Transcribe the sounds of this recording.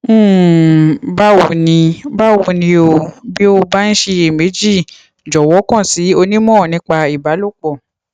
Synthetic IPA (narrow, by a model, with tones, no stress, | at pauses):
ba˦wo˧nĩ˧ba˦wo˧nĩ˧o˧bi˦o˧ba˦n̩˦ʃe˧e˨me˨˦d͡ʒi˦˨ | d͡ʒɔ˨wɔ˨˦kɔ̃˦˨si˨˦o˧nĩ˦mɔ̃ː˦˨nĩ˧˦k͡pa˧i˨ba˨˦lo˦˨k͡pɔ˦˨